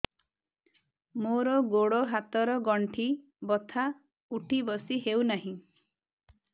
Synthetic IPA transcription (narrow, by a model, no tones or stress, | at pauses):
moɾɔɡoɽoɦat̪ɔɾɔɡɔɳʈʰi | bɔt̪ʰa | uʈʰibɔsiɦewnaɦĩ